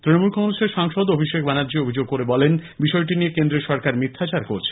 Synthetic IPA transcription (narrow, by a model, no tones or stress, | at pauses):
t̪ɾinomulkʰɔŋɾoʃeɾʃaŋʃod̪obʱiʃek̚banadːd͡ʑiobʱid͡ʑoɡ̚koɾebɔlenbiʃɔeʈ̬iniekend̪ɾeʃɔɾkaɾmit̪ʰːat͡ɕaɾkoɾt͡ɕʰe̥